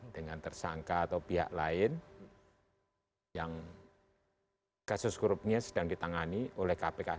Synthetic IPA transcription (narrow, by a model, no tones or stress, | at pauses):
d̥əŋant̪ərsaŋkaːt̪awpiɦa̰ʔlaɪn | jaŋ | kasʊskuɾʊp̚ɲasəd̥aŋdit̪aŋaniʔolɛhkapeka